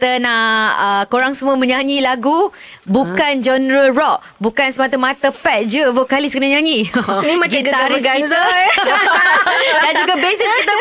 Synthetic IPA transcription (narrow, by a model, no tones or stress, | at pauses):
t̪ənaəkoɾaŋsəmũəmə̃ɲãɲĩlaɡubukand͡ʒɔnɾəɹɔʔ̚ | bukansəmat̪amat̪apɛt̪̚d͡ʒəvəkalisəkənaɲãɲĩimad͡ʒuɡaɡaɾiɡaza | dand͡ʒuɡabesiit̪ə